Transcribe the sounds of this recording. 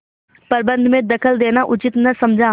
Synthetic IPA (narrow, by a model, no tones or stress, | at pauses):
pəɾbə̃nd̪mẽd̪əkʰəld̪eːnaʔʊt͡ʃɪt̪nɐsəmd͡ʒʱãː